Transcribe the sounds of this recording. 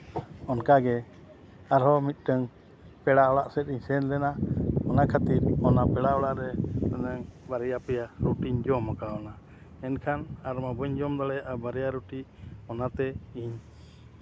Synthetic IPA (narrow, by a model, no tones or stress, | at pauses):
ɔnkaɡɛ | aɾɦɔmit̪̚ˀʈəŋ | pɛɽaɔɽaʔsɛt̪̚ˀiɲsɛnlɛnaɔnakʰat̪iɾɔnapɛɽaɔɽaʔɾɛt̪anaŋbaɾɛjapɛjaɾuʈiɲd͡ʒɔmakaɔna | ɛnkʰanaɾmabɔɲd͡ʒɔmd̪aɽɛjaʔabaɾɛjaɾuʈiɔnat̪ɛiɲ